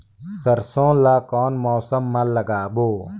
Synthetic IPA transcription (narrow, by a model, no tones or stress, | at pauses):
sɐɾsõːlaːkɔːnmoːsəmːɐlɐɡaːboː